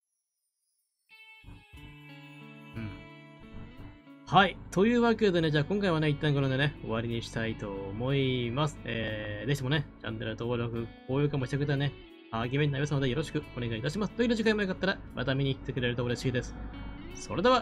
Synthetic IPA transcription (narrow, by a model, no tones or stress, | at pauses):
ɯ̟̃ɴ | hait̪ʰo̞jɯ̟ːβake̞d̪e̞ne̞d͡ʑaːkõ̞ŋkaiβane̞it̪ːãŋkoɾond̪ene̞o̞̰βaɾʲiɲ̟iɕi̥t̪ait̪o̞mo̞imasɨ̥eːd̪çit̪emne̞d͡ʑã̰nːeɾɯ̟t̪o̞ːɾo̞kɯ̟koːjɯːkamoɕit̪akɯ̟t̪ːane | aɡʲimenːaibʲsɨnod̪e̞jo̞ɾo̞ɕi̥kɯ̟o̞ne̞ɡait̪aɕ̬imasɨ̥t̪oiɾɯʑikaimojokat̪ːaɾamʔa̰t̪amʲiɲ̟iːt̪ːe̞kɯ̟ɾe̞ɾɯ̟t̪ooɾeɕiːd̪e̞sɨ̥so̞ɾe̞d̪e̞βa